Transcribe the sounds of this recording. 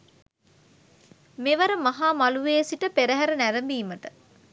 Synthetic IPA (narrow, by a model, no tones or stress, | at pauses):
meʋɐɾəmɐɦaːmaluʋeːsiʈəpeɾəɦæɾənæɾəmbiːməʈə